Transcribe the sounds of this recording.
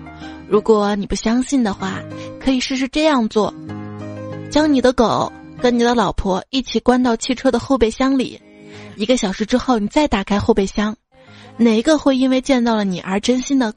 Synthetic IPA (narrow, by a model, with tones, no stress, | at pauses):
ɻu˧˥kwɔ˨˩˦ni˨˩pu˥˩ɕjɑ˥ŋɕi˥˩nd̪ə˩xwa˥˩kʰɤ˧˥i˨˩ʂɻ̩˥˧ʂ̬ɻ̩˥˧ʈ͡ʂɤ˥˧jɑ˥˧ŋt͡swɔ˥˩ | t͡ɕjɑ˥ŋni˨˩d̪ə˦ko˨˩˦ʊkə˥nni˨˩d̪ə˦lɑ˨˩ʊpʰwɔ˥i˥˩t͡ɕʰi˨˩kwa˥nt̪ɑ˥˧ʊt͡ɕʰi˥˧ʈ͡ʂʰɤ˥d̪ə˨xo˥˧ʊpe˥˩ɪɕjɑ˥ŋlḭ˨˩˦ | i˧˥ɡə˧ɕjɑ˨˩ʊʂɻ̩˧˥ʈ͡ʂɻ̩˥xo˥˩ʊni˨˩t͡sa˥˩ɪt̪a˨˩kʰa˥ɪxo˥˧ʊpe˥˩ɪɕjɑ˥ŋ | ne˨˩ɪ˧ɡə˧xwe˥˧ɪi˥nwe˥˧ɪt͡ɕjɛ˥˧nt͡s̪ɑ˥˩ʊlə˩ni˨˩ʔə̰˞˧˥ʈ͡ʂə˥nɕi˥nd̪ə˨